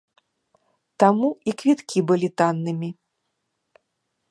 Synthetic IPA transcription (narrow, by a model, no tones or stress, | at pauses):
t̪amuikvʲit̪kʲibɨlʲit̪anːɨmʲi